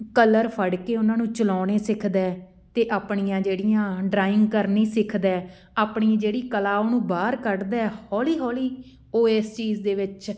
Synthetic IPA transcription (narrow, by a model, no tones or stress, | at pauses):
kələɾpʰəɽkeːʊnãːnũːt͡ʃəlɔːneːsɪkʰd̪ɛː | t̪eːʔaːpɳijãːd͡ʒeːɽɪjãːɖɾaːɪ̃ŋɡ̚kəɾniːsɪkʰd̪ɛː | aːpɳiːãd͡ʒeːɽiːkəlaːoːnũːbaːɾkəɾd̪ɛːɛhɔːliːɦɔːliː | oːeːst͡ʃiːzd̪eːʋɪt͡ʃ